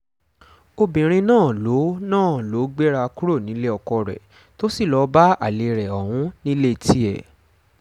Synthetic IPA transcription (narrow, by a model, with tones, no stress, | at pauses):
o˧bĩ˨ɾ̃ĩ˧nãː˦˨lo˨˦nãː˦˨lo˨˦ɡ͡be˦ɾa˧ku˦ɾo˦˨nĩ˨˦le˦ɔ˧kɔ˧ɾɛ̰˨ | to˦si˦˨lɔ˧˦ba˦a˦˨le˨ɾɛ˨ɔ˨hũ˨˦nĩ˦le˦˨tʰi˦ɛ̰˨